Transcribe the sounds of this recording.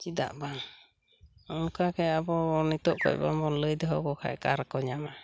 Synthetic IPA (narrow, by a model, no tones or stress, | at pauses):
t͡ʃid̪a̰ʔba | ɔnkakɛabɔnit̪ɔʔkɔ̰jbamɔnləjd̪ɛɦɔkɔkʰa̰ɛkaɾkɔɲama